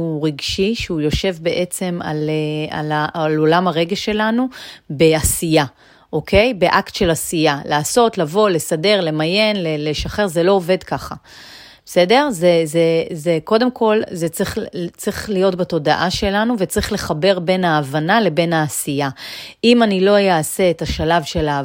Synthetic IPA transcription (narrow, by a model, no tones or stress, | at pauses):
uʁiɡʃiʃeujo̞ʃe̞vbe̞ʔe̞t͡se̞ma̰lea̰lalo̞lamaʁeɡeʃe̞lanube̞asija | ʔoke̞jbe̞ʔaktʃe̞lasijalaːso̞tlavo̞le̞sade̞ʁle̞maje̞nleleʃaχe̞ʁze̞lo̞ove̞dkaχa̰ | bese̞de̞ʁzezezeko̞demkʰo̞lzet͡sʁiχt͡sʁiχlijo̞tbato̞daʔaʃe̞lanuvet͡sʁiχle̞χabe̞ʁbe̞naːvanale̞be̞naːsijaimanilo̞jaːse̞ːtaʃalavʃe̞la